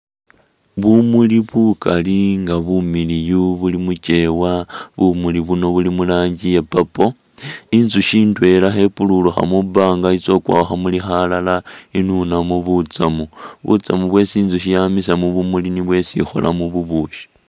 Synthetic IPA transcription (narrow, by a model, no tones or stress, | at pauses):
βumuliβukaliŋɡaβumilijuβulimut͡ʃe̞waβumuliβuno̞βulimulaːɲɟijepapo̞ | inzuʃiːntwe̞laxe̞pululuxa̰mubaːŋɡait͡so̞kwa̰ːxamulixalalainunamuβut͡samuβṵt͡samuβwe̞siːnzuʃijamisamuβumuliniβwe̞sḭxo̰la̰muβuβuʃi̥